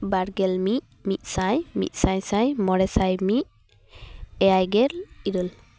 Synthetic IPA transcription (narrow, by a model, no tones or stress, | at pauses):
baɾɡɛlmiʔ̚ | mit̪̚ˀsajmḭt̪̚ˀsajsajmɔɾɛsajmiʔ̚ | ɛajɡɛɾiɾul